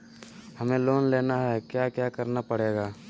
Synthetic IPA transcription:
hɐmẽloːnleːnaɦɛkjaːkjaːkəɾnapəɽeːɡaː

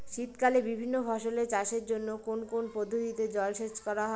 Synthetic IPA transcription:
ʃit̪kalebibʱinːobʱɔʃolet͡ɕaʃeɾd͡ʑonːokonkonpod̪ʱuɦit̪ed͡ʑɔlʃeʃkɔɾaɦɔ

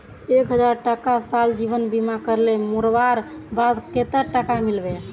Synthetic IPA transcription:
ekɦəd͡ʒaɾʈakasald͡ʒibənbimakəɾlemuɾbaɾ | bad̪ket̪əɾʈakamilbe

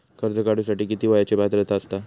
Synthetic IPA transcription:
kəɾd͡zəkaɽusaʈiːkit̪iːʋajat͡ɕebʱat̪ɾet̪aəst̪a

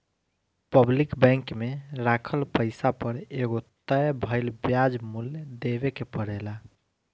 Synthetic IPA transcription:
pəblikbɛ̃ŋkmeɾakʰəlpəɪsapəɾeɡot̪əjbʱəɪlbjad͡ʒmuljd̪ebekepəɽɛla

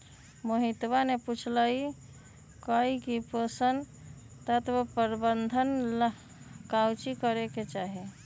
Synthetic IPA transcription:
moɦit̪baneput͡ʃʰlai | kəikipəsən | t̪at̪bəpəɾbənd̪ʱənlə | kawt͡ʃikəɾeket͡ʃaɦi

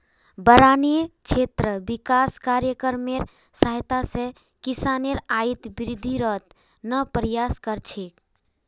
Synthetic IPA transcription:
bəɾanit͡ʃʰet̪ɾəbikaskaɾjəkəɾmeɾ | səɦjt̪asẽ | kisaneɾait̪biɾid̪ʱːiɾət̪ | nəpɾijaskəɾt͡ʃʰek

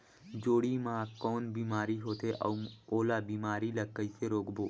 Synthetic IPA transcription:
d͡ʒoːɽimãːkɔːnbiːmaːɾiɦoːt̪eʔɔ̰ːoːlabiːmaːɾilɐkəiseɾoːkboː

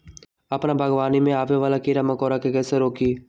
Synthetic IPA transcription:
əpnabʱəɡʋaːnimẽaːʋeʋaːlakiɾaməkɔːɾakekɛːseɾoːkiː

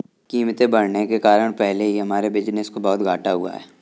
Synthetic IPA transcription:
kiːmt̪ẽbɐɽnekekaːɾəɽ̃pɛɦleɦiɦɐmaːɾebɪd͡ʒnəskobɔɦːt̪ɡʱaːʈaɦʊ̰a̰ɦɛː

